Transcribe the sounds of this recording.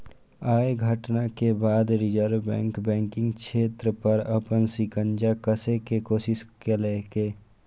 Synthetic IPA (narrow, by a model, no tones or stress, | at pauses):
aːeɡʱəʈnakebaːd̪ɾɪd͡ʒəɾʋbɛ̰̃ːŋkbɛ̃ːŋkɪ̃ŋɡt͡ʃʃʰeːt̪ɾəpɐɾɐpənsɪkə̃nd͡ʒakəsekekoːsɪskeleːkeː